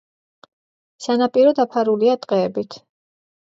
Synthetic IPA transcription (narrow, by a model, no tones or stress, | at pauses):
sanapʼiɾɔd̪apʰaɾuliat̪ʼqʼɛːbit̪ʰ